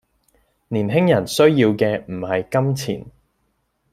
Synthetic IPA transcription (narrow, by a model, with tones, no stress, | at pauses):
niː˨˩nɦɪ˥ŋjɐ˨˩nsɵ˥ɥjiː˧wkɛː˧m̩˨˩hɐ˨jkɐ˥mt͡sʰḭː˨˩n